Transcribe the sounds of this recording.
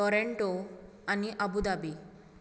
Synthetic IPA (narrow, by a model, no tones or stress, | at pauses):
ɔɾeɳʈo | aniʔəbud̪abi